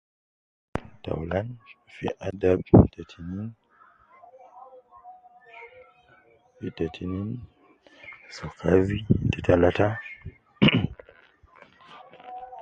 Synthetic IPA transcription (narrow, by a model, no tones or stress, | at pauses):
ta̰wlanfḭʔadabtatʰinin | fitatʰinin | sɔkʰavititalata